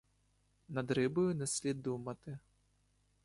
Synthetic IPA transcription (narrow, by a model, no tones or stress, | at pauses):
nad̪ɾɨbujunɐsʲlʲid̪umɐt̪ɨ